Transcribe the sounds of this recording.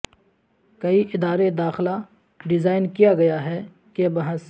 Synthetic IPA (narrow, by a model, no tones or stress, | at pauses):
kɐiʔɪd̪aːɾed̪aːxɪla | ɖɪzaːɪnkijaɡɐjaɦɛ | kebɐɦãs